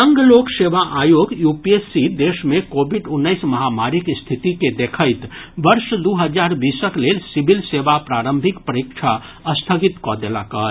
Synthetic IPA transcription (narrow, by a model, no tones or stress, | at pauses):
əŋɡlokseʋaʔajoɡjupiesid̪esmekobʱiɖʊnːəɪsmɐɦamaɾikst̪ʰit̪iked̪ekʰəɪt̪bəɾʃd̪uɦəd͡ʒaɾbisəklelsibʱilsebapɾaɾəmbʱikpəɾikt͡ʃʰa | əst̪ʰəɡit̪kɔd̪ela̰kəɦ